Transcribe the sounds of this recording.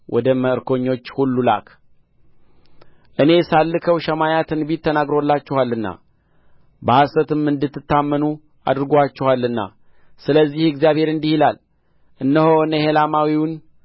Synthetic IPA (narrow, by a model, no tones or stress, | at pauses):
wʔɔd̪əməɨɾko̞ɲːo̞t͡ʃːhulːula̰k | ʔɨne̞salːɨkʰəwʃəmajat̪ʰɨnbit̪ːənaɡɾolːat͡ʃːɛhalːɨnːa̰ | bəhasət̪ɨmɨnd̪ɨt̪ːɨt̪ːamːənu | a̰d̪ɾɨɡoat͡ʃːɛhalːɨnːa̰ | sɨləzːihɨɡzjaβhe̞ɾɨnd̪ihilal | ʔɨnːəhoɨnəhelamawiwʊn